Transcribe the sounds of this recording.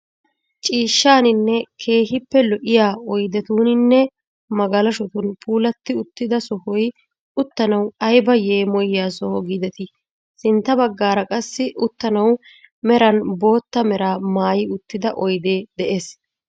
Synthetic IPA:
t͡ʃʼiːʃːaːnɪnːɛkʰe̞ːɦɪpːɛlɔʔɪjaːɔjd̪ɛt̪uːnɪnːɛ | mɐɡɐlɐʃɔt̪ʊnpʰʼuːlɐt̪ːɪʊt̪ːɪd̪ɐsɔhɔj | ʊt̪ːɐnɐwɐjbɐje̞ːmɔjːaːsɔhɔɡid̪ɛt̪ɪ | sɪnt̪ːɐbɐɡːaːɾɐkʼɐsːɪʔʊt̪ːɐnɐw | mɛɾɐnbo̞ːt̪ːɐmɛɾaːmaːjɪʊt̪ːɪd̪ɐʔɔjd̪eːd̪ɛʔeːs

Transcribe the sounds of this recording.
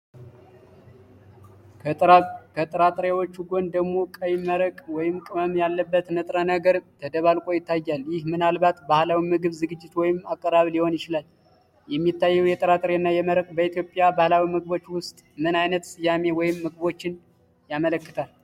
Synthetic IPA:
kʰət̪ʼəɾat̪ʼɾewot͡ʃːuɡo̞nd̪əɡmo̞kʼəjɪməɾəkʼwɔjɪmkʼɨməmjalːəbːət̪nɨt̪ʼɾanəɡəɾt̪ʰəd̪əβalkʼo̞jɪt̪ʰːajːaljɪhmɨnalbat̪bahlawimɨɡɨβzɨɡɨd͡ʒːɪt̪wɔjɪmakʼːəɾaβliho̞njɪt͡ʃɪlal | jɛmːit̪ːajːɛwjɛt̪ʼəɾat̪ʼɾenːajɛməɾəkʼbəit̪ʰjo̞pʼjabahlawimɨɡɨβo̞t͡ʃːwʊst̪ʼmɨnajnət̪sʼɨjame̞wɔjɪmːɨɡɨβo̞t͡ʃːɪn | jamələkːɨt̪ʰal

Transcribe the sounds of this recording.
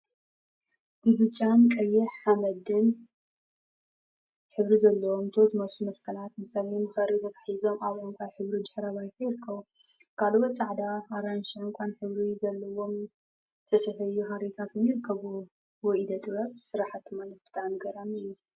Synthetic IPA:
ʔɨbɨt͡ʃʼːankʼɐjːɛħħamɐd̪ɨn | ħɨβɾizɐlːɐwomt̪ʰot̪mɐsumɐskʰɐlat̪mɨt͡sʼɐlimxɐɾit̪ʰɐt̪ʰḁħizo̞mʔaβʕomkʰaβħɨβɾid̪ɨħɾaβajt̪ʰɐjɪɾɨkʰːɐβu | kʰalwot̪t͡sʼaʕd̪aːɾanʃʕɨŋkʷʼanħɨβɾizɐlːɐwo̞m | t̪ʰɐsɐfɐjːuɦaɾit̪ʰat̪njɪɾɨkʰːɐβu | wɔʔid̪ɐt̪ʼɨβɐβsɨɾaħat̪ʰːɨmanɐfbɨ̥t̪ʰaʕmɡɐɾanɨjːu

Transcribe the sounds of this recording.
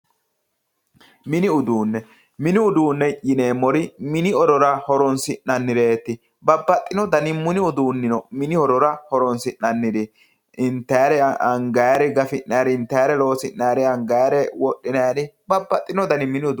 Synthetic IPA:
mɪnɪʊd̪uːnːɛ | mɪnɪʊd̪uːnːɛʔɪneːmɔɾɪmɪnɪɔɾɔɾɐhɔɾɔnsɪnːɐnːɪɾeːt̪ːɪ | bɐbːɐt̪ʼːɪnɔd̪ɐnɪmʊnɪʊd̪uːnːɪnɔmɪnɪhɔɾɔɾɐhɔɾɔnsɪnːɐnːɪd̪ɪ | ɪnt̪ːɐjɾɛɐŋɡɐjaɾɛɡɐfɪnːajɾɪnt̪ːɐjɾɛlo̞ːsɪnːɐjɾɛɐŋɡɐjɾɛwɔɗːɪnɐjaɾɪbɐbːɐt̪ʼːɪnɔd̪ɐnɪmɪnɪʊd̪

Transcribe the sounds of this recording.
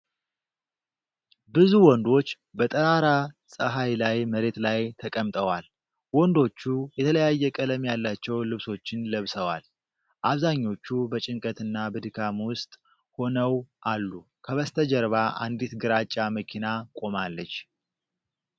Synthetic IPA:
bɨzuwɔnd̪o̞t͡ʃː | bət̪ʼəɾaɾasʼəɦajlajməɾe̞t̪lajt̪ʰəkʼəmt̪ʼəwal | wɔnd̪o̞t͡ʃːujɛt̪ʰələjajːɛkʼələmjalːat͡ʃːɛwlɨβso̞t͡ʃːɪnləβsəwa̰l | ʔaβzaɲːo̞t͡ʃːubət͡ʃʼɪŋkʼət̪ɨnːabɨd̪ɨkʰamwʊst̪ʼ | ho̞nəwʔalːu | kʰəβəst̪ʰəd͡ʒəɾβaʔa̰nd̪it̪ɡɨɾat͡ʃʼːaməkʰinakʼo̞malːət͡ʃː

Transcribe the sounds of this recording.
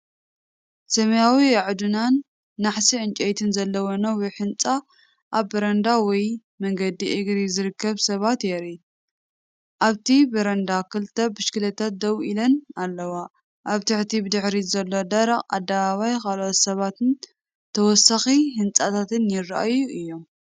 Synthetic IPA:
sɐmɐjawiʕd̪unanː | aħsiʔɨnt͡ʃʼɐjt̪ʰɨnzɐlːɐwonɐwɔħɨnt͡sʼa | ʔaβːɐɾɐnd̪awɔj | mɐŋɡɐd̪iʔɪɡɾizɨɾɨkːɐβsɐβat̪jɛɾi | ʔaβt̪ʰibɨɾɐnd̪akʰɨlt̪ʰɐbɨʃkɨlɐt̪ʰat̪̚d̪ɐwʔilɐnalːɐwa | ʔaβt̪ʰɨħt̪ʰibɨd̪ɨħɾizɐlːo̞d̪ɐɾɐqʼa̰d̪ːaβaβajkʰalot̪sɐβat̪ɨn | t̪ʰɐwɔsaxihɨnt͡sʼat̪ʰat̪ɨnjɪrːaʔa̰juʔɨjːo̞m

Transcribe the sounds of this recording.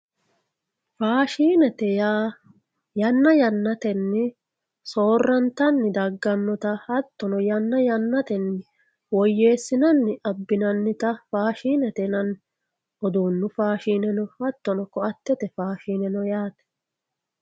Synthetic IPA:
faːʃiːnɛt̪ɛjaː | jɐnːɐjɐnːɐt̪ɛnːɪ | soːrːɐnt̪ɐnːɪd̪ɐɡːɐnːɔt̪ɐhɐt̪ːɔnɔjɐnːɐjɐnːɐt̪ɛnːɪ | wɔjːe̞ːsːɪnɐnːɪʔɐbːɪnɐnːɪt̪ɐfaːʃiːnɛt̪ɛnɐn | ʔɔd̪uːnːʊfaːʃiːnɛnɔhɐt̪ːɔnɔkɔɐt̪ːɛt̪ɛfaːʃiːnɛnɔjaːt̪ɛ̥

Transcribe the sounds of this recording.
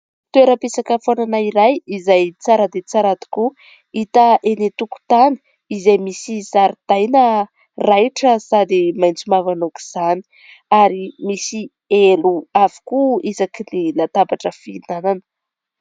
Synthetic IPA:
t̪ueɾəpesakəfananaiɾajizajt͡saɾəd̪et͡saɾad̪i̥ku | it̪əʔenet̪uku̥t̪ani̥ | izajmisizaɾid̪̥ajnə | rajʈ͡ʂəsad̪imajnt͡simavanoki̥z̥ani̥ | aɾimisi | eluavu̥kuizakinilat̪abaʈ͡ʂəfinananə̥

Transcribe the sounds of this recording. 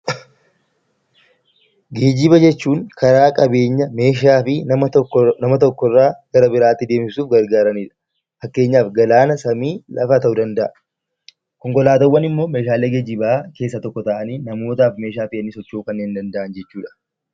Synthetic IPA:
ɡeːd͡ʒɪbɐd͡ʒɛt͡ʃːuːŋkʰɐɾaːkʼɐbe̞ːɲːɐme̞ːʃ̬aːfɪ | nɐmɐt̪ɔkːɔrːaːɡ̥ɐɾɐbɪɾaːt̪ːɪd̪e̞ːmɪsuːfɡɐɾɡaːɾɐniːᶑɐ̥ | fɐkːe̞ːɲːaːfɡɐlaːnɐsɐmiːlʔɐ̰fɐt̪ɐʔʊd̪ɐnd̪ɐʔɐ | kɔŋkʼɔlaːt̪ɐwːɐnɪmːo̞ːme̞ːʃaːle̞ːɡeːd͡ʒɪbake̞ːsːɐt̪ɔkːɔt̪ɐʔɐniːnɐmo̞ːt̪aːfme̞ːʃaːfɪɛnːɪsɔt͡ʃːuːkɐnːeːnd̪ɐnd̪ɐʔɐnd͡ʒɛt͡ʃːuːᶑɐ̥

